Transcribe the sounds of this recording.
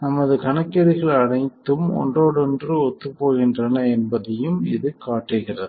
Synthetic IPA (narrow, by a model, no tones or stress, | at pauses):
nɐmɐðɯkɐɳɐkːɛɾɪɣɐɭɐɳɐɪt̪ːɯmɔ̰ɳdroːɽɔndrɯɔt̪ːɯpːoːɣɪndrɐnɐɛnbɐðɐjɯmɪðɯkaːʈːɯɣɪrɐðɯ